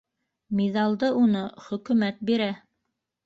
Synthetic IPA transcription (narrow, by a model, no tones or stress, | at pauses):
miðɑlˠd̪ɤʔunɤχɵ̆kʉ̆mæt̪̚biɾæ